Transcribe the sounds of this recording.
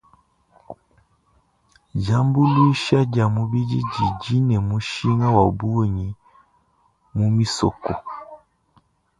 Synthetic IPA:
d͡ʒa˦mbu˦lu˦ʃa˦d͡ʒa˨mu˦bi˦d͡ʒi˦d͡ʒi˨d͡ʒi˦nɛ˨mu˦ʃi˦ŋa˦wa˨bu˦˨ɲi˨ | mu˦mi˦sɔ̰˨kɔ˨

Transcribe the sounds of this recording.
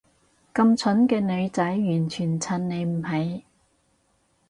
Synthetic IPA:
kɐ˧mt͡sʰɵ˨˥nkɛː˧nɵ˨˧ɥt͡sɐ˨˥jːyː˨˩nt͡ʃʰyː˨˩nt͡sʰɐ˨˩nne˨˧jm̩˨˩hɐ˨j

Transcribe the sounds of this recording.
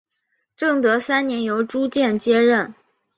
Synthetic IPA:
ʈ͡ʂɤ˥˩ŋt̪ɤ˧˥sa˥nnjɛ˧˥njo˧˥ʊʈ͡ʂu˥t͡ɕjɛ˥˩nt͡ɕjɛ˥ɻə˥˩n

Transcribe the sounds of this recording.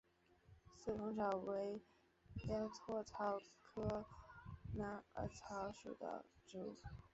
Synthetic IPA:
sɹ̩˥˩kʊ˧˥ŋʈ͡ʂʰɑ˨˩ʊwe˧˥ɪ | ja˥t̪ʰwɔ˥˩t͡sʰɑ˥ʊkʰɤ˥ | na˥ə̰˧˥t͡sʰɑ˧˥ʂṵ˨˩d̪ə̰˦ʈ͡ʂu˨˥˩

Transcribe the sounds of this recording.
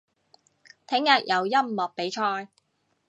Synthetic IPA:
t̪ʰɪ˨˥ŋjɐː˨k̚jɐ˨˧wjɐ˥mmɔː˨k̚pe˨˥jt͡ʃʰɔː˧j

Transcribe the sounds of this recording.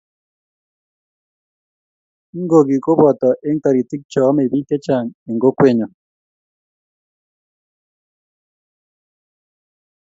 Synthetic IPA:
i˦ŋɡo˨ɣi˨ko˦βwa˨ta˨ʔe˦ŋta˨ɾi˨ti˦k̚t͡ʃɔ˨˦me˨βi˦ke˦t͡ʃa˨ŋe˨ŋɡo˦kwe˨ɲa˨

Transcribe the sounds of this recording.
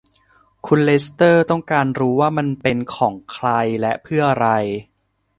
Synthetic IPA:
kʰu˧nle˦˥st̪ɤː˥˩t̪ɔ˥˩ŋkaː˧nɾuː˦˥waː˥˩ma˧npe˧nkʰɔː˩˦ŋkʰɾa˧jlɛ˦˥pʰɯ˥˩ɐɾa˧j

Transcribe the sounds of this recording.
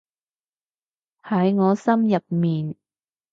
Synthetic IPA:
hɐ˨˥jŋɔː˨˧sɐ˥mjɐ˨p̚miː˨n

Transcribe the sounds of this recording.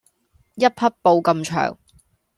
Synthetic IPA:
jɐ˥t̚pʰɐ˥t̚po˧wkɐ˧mt͡ʃʰœ̰ː˨˩ŋ

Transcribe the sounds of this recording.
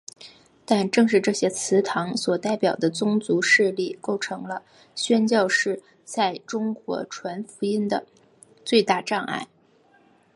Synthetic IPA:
t̪a˥˧nʈ͡ʂɤ˥˧ŋʂɻ̩˥˧ʈ͡ʂɤ˥˩ɕjɛ˥t͡sʰɹ̩˧˥t̪ʰɑ˧˥ŋswɔ˨˩t̪a˥˩ɪpjɑ˨˩ʊd̪ə˦t͡sʊ˥ŋt͡su˧˥ʂɻ̩˥˧li˥˩ko˥˩ʊʈ͡ʂʰɤ˧˥ŋlə˧ | ɕɥɛ˥nt͡ɕjɑ˥˧ʊʂɻ̩˥˧ | t͡sa˥˩ɪʈ͡ʂʊ˥ŋkwɔ̰˧˥ʈ͡ʂʰwa˧˥nfu˧˥i˥nd̪ə˨ | t͡swe˥˧ɪt̪a˥˧ʈ͡ʂɑ˥˧ŋa̰˥˩ɪ

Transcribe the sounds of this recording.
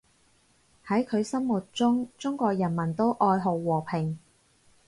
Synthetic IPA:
hɐ˨˥jkʰɵ˨˧ɥsɐ˥mwuː˨˩t̚t͡ʃʊ˥ŋt͡sʊ˥ŋkʷɔː˧k̚jɐ˨˩nmɐ˨˩nt̪o˥wʔɔː˧jɦo˨wwɔː˨˩pʰɪ˨˩ŋ

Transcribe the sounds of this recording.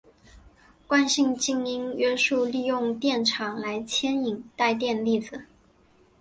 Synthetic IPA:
kwa˥˧nɕi˥˧ŋt͡ɕi˥˧ŋi˥ŋɥɛ˥ʂu˥˧li˥˧jʊ˥˧ŋt̪jɛ˥˩nʈ͡ʂʰɑ˨˩˦ŋla˧˥ɪt͡ɕʰjɛ˥ni˨˩ŋt̪a˥˧ɪt̪̬jɛ˥˧nli˥˩d͡z̩˩

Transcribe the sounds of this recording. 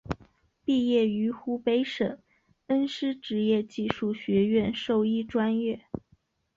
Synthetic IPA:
pi˥˧jɛ˥˩y˧˥xu˥pe˥ɪʂɤ˨˩˦ŋ | ə˥nʂɻ̩˥ʈ͡ʂɻ̩˧˥jɛ˥˧t͡ɕi˥˧ʂu˥˩ɕɥɛ˧˥ɥɛ˥˧nʂo˥˧ʊi˥˩ʈ͡ʂwa˥njɛ˥˩

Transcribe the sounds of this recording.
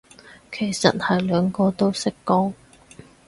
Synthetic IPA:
kʰe˨˩jsɐ̰˨t̚hɐ˨jlœː˨˧˥ŋkɔː˧t̪o˥wsɪ˥kːɔː˥ŋ

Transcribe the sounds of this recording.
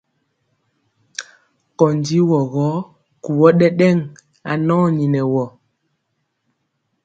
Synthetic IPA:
kɔ˨n˨di˨˦wɔ˨ɣɔ˨˦ | ku˨wɔ˦ɗɛ˦ɗɛ˦˨ŋ | a̰˨nɔ̃ː˦ni˨nɛ˨wɔ˨

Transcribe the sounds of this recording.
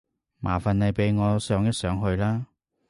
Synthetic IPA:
mʔa̰ː˨˩fɐ˨nlɐ˨jpe˨˧jŋɔː˨˧sœː˨˥ŋjɐ˥t̚sœː˨˥ŋɦɵ˧ɥlaː˥

